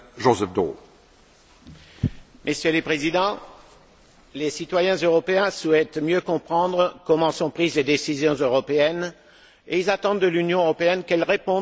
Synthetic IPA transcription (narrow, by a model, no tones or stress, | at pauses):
ʒozɛfd̪o | mʔəsjøləpχezid̪ɑ̃ | lesit̪wajɛ̃zøʁɔpeɛ̃swɛt̪mjøkɔ̃pχɑ̃d̪ʁəkɔmɑ̃sɔ̃pχizled̪esizjɔ̃zøʁɔpeɛn | eilzat̪ɑ̃d̪ːəlynjɔ̃øʁɔpeɛnkɛlʁepɔ̃